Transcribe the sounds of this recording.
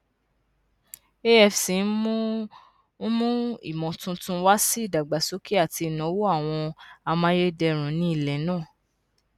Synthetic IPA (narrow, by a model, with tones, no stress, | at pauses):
e˦ɛ˨fsi˨˦n˦mũ˦ | n̩˦mũ˦ḭ˦˨mɔ̃˨tũ˧tũ˦wa˦si˦i˦˨da˨ɡ͡ba˨so˨˦ki˦a˦˨ti˧i˨nɔ̃˨˦wo˦a˦˨w̃ɔ̃˧a˧mã˦je˦dɛ˧ɾ̃ũ˨˦nĩ˦i˦˨lɛ˨˦nãː˦˨